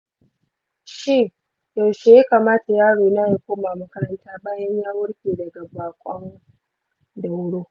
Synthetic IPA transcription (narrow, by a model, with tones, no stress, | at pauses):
ʃi˦˨ | ja˨wʃe˨jaː˦kaː˨maː˦ta˨jaː˦ɽoː˨na˦i˨kʷoː˦ma˨mɐ˦kɐ˦ɾɐ˦ntaː˦baː˦jɐ˦ɲjaː˦wʊ˦ɽkʲeː˨dɐ˨ɡa˨baː˨kʷʼɔ˦ŋ | da˨wɽoː˦